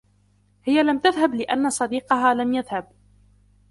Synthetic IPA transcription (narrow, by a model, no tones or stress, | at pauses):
hɪjalamt̪aðɦablɪʔanːasˤɑd̪iːqɑɦaːlamjaðhab̚